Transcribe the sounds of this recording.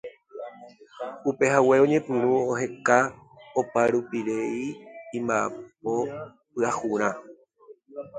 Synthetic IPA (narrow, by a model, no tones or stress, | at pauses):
upe̞ɦawe̞õ̞ɲẽ̞pɨ̃ɾ̃ũoɦe̞ka | opaɾupiɾe̞ĩːmbaepo̞ | pɨahuɾ̃ã